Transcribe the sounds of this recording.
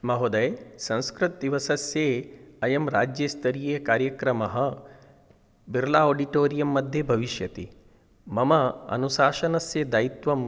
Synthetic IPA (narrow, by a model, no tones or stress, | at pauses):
mɐɦod̪ɐjsɐ̃ñskɾɪt̪̚d̪iʋɐsɐsjeːɐjɐmɾaːd͡ʒjeːst̪ɐɾijeːkaːɾjɐkɾɐmɐɦɐ̆ | biɾlaːoːɖiʈoːɾijɐmːɐd̪ʱjebʱɐʋiʃjɐt̪i | mɐmɐɐ̰nuʃaːʃɐnɐsjed̪ajit̪ʋɐm